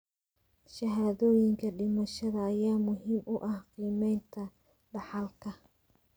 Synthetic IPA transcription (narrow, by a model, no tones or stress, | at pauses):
ʃɐɦaːðɔːjɪŋkʰɐɖɪmɐʃɐðɐːjaːmʊɦiːmʊʔɐhqiːmɛjnt̪ʰɐ | ɖɑħɑlkʰɐ